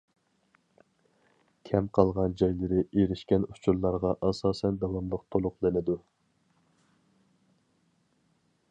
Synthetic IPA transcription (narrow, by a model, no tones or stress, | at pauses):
kʲʰɛmqʰɑlˠʁɑnd͡ʒɑjlˠɨɾɪʔeɾɪʃkʲɛnu̥t͡ʃʰuɾlˠɑɾʁɑʔɑsɑːsɛnd̪ɑwɑmlˠəq̚t̪ʰolˠʊqlˠɨnɨd̪u